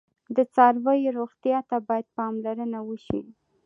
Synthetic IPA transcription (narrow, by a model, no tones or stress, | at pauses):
d̪ət͡sɑɾwəjeɾoɣt̪jɑt̪abɑjad̪̚pɑmlaɾənawəʃi